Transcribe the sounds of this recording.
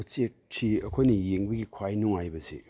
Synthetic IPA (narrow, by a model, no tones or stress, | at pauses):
t͡ʃek̚t͡ʃʰiɐkʰojnijeŋbɐɡikʰwajnuŋajbɐsḛ